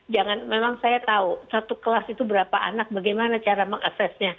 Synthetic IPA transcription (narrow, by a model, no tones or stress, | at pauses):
d͡ʒaŋanmemaŋsajat̪ausat̪ukəlasit̪ubəɾapaʔa̰nak̚baɡajmanat͡ʃaɾaməŋaksɛsɲa